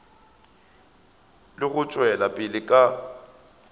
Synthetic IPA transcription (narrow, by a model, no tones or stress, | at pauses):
lɪɣʊt͡ʃʼwɛlapʼɪlɪkʼa